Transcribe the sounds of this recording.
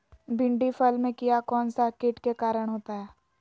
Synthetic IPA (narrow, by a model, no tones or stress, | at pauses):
bɪ̃ɳɖifəlmẽkijakɔːnsakeʈkekaːɾəɽ̃ɦoːt̪aɦɛː